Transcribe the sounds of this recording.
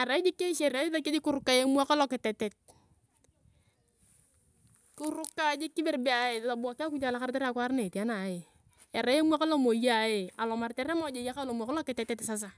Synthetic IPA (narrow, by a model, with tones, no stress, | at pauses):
a˨ɾa˨ɪ˦d͡ʒɪ˦kːe˦ʃe˨ɾa˦ɪ˦ta˦ki˦dɪ˦kʊ˦ɾʊ˦kːa˦je˦m˦a˦ka˦lo˨kɪ˨tɛ˨tɛ˨t̚ | kʊ˦ɾʊ˦kːa˦d͡ʒɪ˦kːɪ˦be˨rbe˦a˨je˨lo˨bɔ˨ka˦ku˦d͡ʒa˦˨la˦ka˦ɾte˦ɾa˨kwa˦ɾne˨ti˨a˦na˨je˨ | e˨ɾa˨˦je˦mu˦a˦ka˦lo˦mo˨ja˨je˨a˨lɔ˨ma˨rtɛ˦ɾmɔ˨˦d͡ʒe˨ja˦ka˦lo˨m˦a˨ka˦lɔ˦kɪ˨tɛ˨tɛ˦tɪ˨sa˦s̬a˨